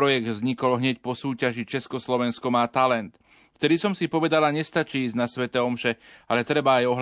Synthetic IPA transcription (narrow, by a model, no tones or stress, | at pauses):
ɾɔjɛɡd̪vzɲikɔlɦɲɛcpɔsuːcaʒit͡ʃɛskɔslɔʋɛnskɔmaːt̪alɛnt̪ | ft̪ɛd̪isɔmsipɔʋɛd̪alaɲɛst̪at͡ʃiːiːzɟnasʋɛt̪ɛːɔmʃɛalɛt̪ɾɛbaːjɔɦ